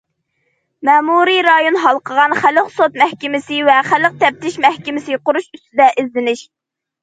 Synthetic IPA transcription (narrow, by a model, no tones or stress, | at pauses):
mɛmuɾiɾɑjonɦɑlˠqʰəʁɑnχæləqsot̪̚mɛhkʲɪmɪsɪvɛχælːəq̚t̪ʰɛp̚t̪ɪʃmɛhkʲɪmɪsɪqʊɾuʃyst̪ɪd̪ɛʔɪzlɪnɪʃ